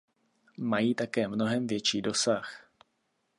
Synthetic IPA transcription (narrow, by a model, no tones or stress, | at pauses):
majiːt̪akɛːmno̞ɦɛmvjɛt͡ʃiːdo̞sax